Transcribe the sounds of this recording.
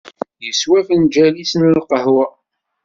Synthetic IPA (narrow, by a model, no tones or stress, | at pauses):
jəswæfənd͡ʒælisənlqəhwæ